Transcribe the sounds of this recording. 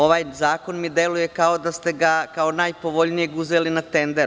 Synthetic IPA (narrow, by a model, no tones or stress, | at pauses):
o̞ʋaːjzaːko̞nmid̪e̞luje̞kao̞d̪ast̪e̞ɡakaonaːjpo̞ʋo̞ʎnijeɡuzelinat̪e̞nd̪eɾ